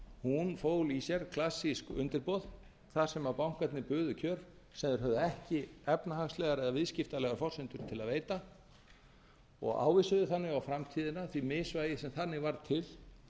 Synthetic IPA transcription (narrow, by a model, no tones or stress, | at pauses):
hunfoːwlisjɛɾ̥kʰlasːiskʏ̰nt̪ɪɾpɔð | θḁsɛmapawŋ̥kat̪nɪpʏːðʏcʰœːɾ | sɛmðʏɾɦœvðʏɛhcɪɛpnahaxslɛɣaɾɛðavɪðscɪft̪alɛɣaɾfɔrsʏnt̪ʏɾ̥t̪ʰɪlaðveːjt̪a | ɔ̰ɣa̰ːwvisʏðʏθanːɪɣawfɾamt̪ʰiːðɪnaθvimɪsvaːjɪsɛmθanːɪɣvaɾt̪ʰɪl̥